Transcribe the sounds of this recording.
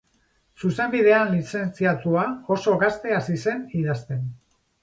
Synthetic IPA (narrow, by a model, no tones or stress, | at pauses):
suse̞mbiðe̞anlise̞nt͡siat̪uao̞so̞ɣast̪e̞asise̞niðast̪e̞n